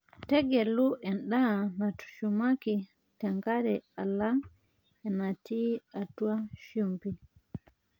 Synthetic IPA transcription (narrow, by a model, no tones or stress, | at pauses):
tɛɡɛluʔɛnɗanatu̥t͡ʃumaki | taŋɡaɾɛalan | ɛnatiatuaʃumpi